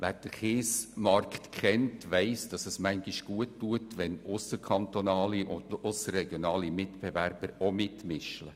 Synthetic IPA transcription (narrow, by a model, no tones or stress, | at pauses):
ʋæːɾd̥əχeːsmɑrktkχɛntʋɛɪsd̥ɑsəsmæŋɡiʃɡ̥uətːuətʋɛnʊsəkʰɑnt̪onɑːliʔʊ̰ndʊsərɛɡjonɑːlimɪtb̥eværb̥əɾomɪtmɪʃlə